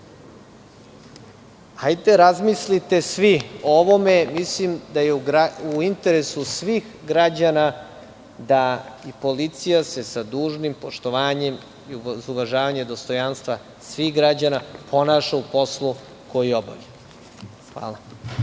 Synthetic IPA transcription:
hajd̪eɾazmislit̪e̞sʋiooʋo̞me̞mislimd̪ajeuɡɾauint̪e̞ɾesusʋiːx | ɡɾad͡ʑana | d̪aipo̞lit̪sijase̞sad̪uːʒnimpo̞ʃt̪o̞ʋaːɲem | iuuʋaʒaːʋaɲed̪o̞st̪o̞janst̪ʋa | sʋiɣɡɾad͡ʑanapʰo̞naːʃaupo̞slˠu | ko̞jio̞ba̰vʎe | xʋa̰ːla

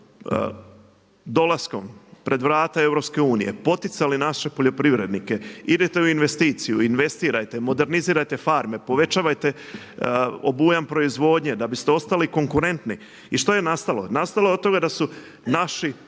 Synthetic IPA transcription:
d̪o̞lasko̞mpɾe̞d̪ʋɾaːt̪ae̞vɾo̞pske̞uːnije̞̰po̞t̪it̪salinaʃe̞po̞ʎo̞pɾiʋɾe̞d̪nike̞id̪et̪euinʋe̞st̪iːt̪sijuinʋe̞st̪iːɾajt̪e̞mo̞d̪e̞ɾniziːɾajt̪e̞faɾme̞po̞ʋe̞t͡ʃaːʋajt̪e̞ | obujampɾo̞izʋo̞ːd̪ɲed̪abist̪eo̞st̪aliko̞ŋkuɾe̞nt̪ni | iʃt̪o̞je̞nast̪alo̞nast̪aloot̪o̞ɡad̪asu | naʃi

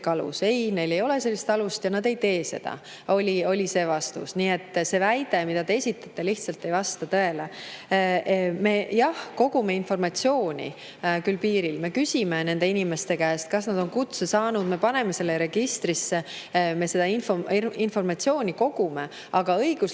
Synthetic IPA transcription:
kɑlṵse̞jne̞jle̞jo̞le̞se̞lːist̪ɑlust̪jɑnɑd̪e̞jt̪e̞ːse̞̰d̪̥ɑ̰ | o̞lʲio̞lʲise̞ːvɑst̪ṵsniːe̞t̪ːse̞væjd̪̥e̞mid̪ɑd̪eesʲit̪ːˑɑt̪ːˑeliht̪sɑlt̪ːˑe̞jvɑst̪ɑt̪øe̞le | me̞jɑhko̞ɡ̥ume̞info̞rmɑt̪ʲsio̞ːnʲḭ | kylpiːɾilme̞kysʲimene̞nd̪e̞inime̞st̪e̞kæːst̪̚kɑsnɑd̪̥o̞nkut̪sesɑːnud̪̥me̞pɑne̞me̞se̞lːeɾe̞ɡ̥ist̪risːeme̞se̞d̪̥ɑinfoinfo̞rmɑt̪sio̞ːnʲiko̞ɡ̥ume | ɑɡ̥ɑɤjɡ̥us

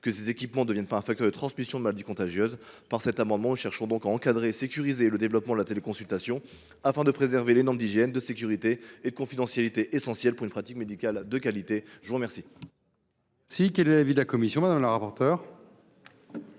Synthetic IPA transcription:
kəsezekʲipmɑ̃d̪əvjɛ̃npaɛ̃fakt̪œʁd̪ət̪χɑ̃smisjɔ̃d̪əmalad̪ikɔ̃t̪aʒjøz | paʁsɛt̪amɑ̃d̪mɑ̃nuʃɛʁʃɔ̃d̪ɔ̃kaɑ̃kad̪ʁeːsekʲyʁizeləd̪evlɔpmɑ̃d̪əlat̪elekɔ̃sylt̪asjɔ̃ | afɛ̃d̪əpχezɛʁvelenɔʁmd̪iʒjɛnd̪əsekʲyʁit̪eed̪əkɔ̃fid̪ɑ̃sjalit̪eʔesɑ̃sjɛlpuʁynpχat̪ikmed̪ikʲald̪əkalit̪eʒəvuʁmɛʁsi | sikɛlɛlavid̪əlakɔmisjɔ̃mɛd̪amləʁapɔʁt̪œːʁ

